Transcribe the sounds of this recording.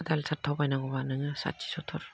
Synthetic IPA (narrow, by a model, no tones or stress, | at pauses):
d̪alsʰaɾ̚t̪ʰawbajnaɡɔbanɯŋɯsa̰t̚t͡ʃi̥sɔtʰɔɾ